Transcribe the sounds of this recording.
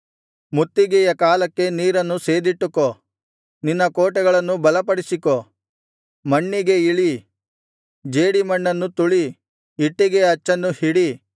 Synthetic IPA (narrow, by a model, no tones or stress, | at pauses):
mut̪ːiɡɛjɐkaːlɐkːe̞niːɾɐnːuse̞ːd̪iʈːuko | ninːɐkoːʈɛɡɐɭɐnːubɐlɐpɐɽisiko | mɐɳːiɡe̞iɭi | d͡ʒeːɽimɐɳːɐnːut̪uɭiː | ʈːiɡe̞ɐt͡ʃːɐnːuhiɽi